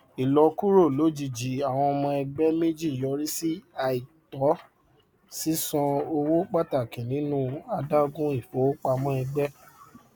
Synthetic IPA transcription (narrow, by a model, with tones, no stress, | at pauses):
i˨lɔ˧ku˦ɾo˦˨lo˨˦d͡ʒi˦˨d͡ʒi˨a˨w̃ɔ̃˧ɔ˧mɔ̃˧ɛ˧ɡ͡bɛ˦mẽ˦d͡ʒi˦˨jɔ˧ɾi˦si˦a˨i˨tɔ˨˦ | si˦sɔ̃˧o˧wo˦k͡pa˦ta˦˨kĩ˨nĩ˨˦nũ˦a˧da˦ɡũ˦i˦˨fɔ˨˦o˦k͡pa˧mɔ̃˧˦ɛ˧ɡ͡bɛ˦